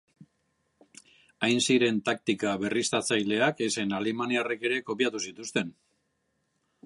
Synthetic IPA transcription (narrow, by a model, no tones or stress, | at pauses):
ajnsiɾe̞nt̪ak̚t̪ikaβe̞rist̪at͡sajle̞akese̞nalimaniare̞ke̞ɾe̞ko̞piat̪usit̪ust̪e̞n